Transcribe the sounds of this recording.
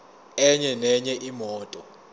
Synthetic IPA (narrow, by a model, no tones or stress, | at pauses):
ɛɲɛnɛɲɛʔimɔːtʼɔ